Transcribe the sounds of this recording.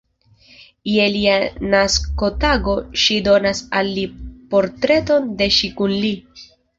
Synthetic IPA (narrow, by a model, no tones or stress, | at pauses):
jelianasko̞taɡo̞ʃido̞nasalːipo̞ɾtɾe̞to̞nde̞ʃikunli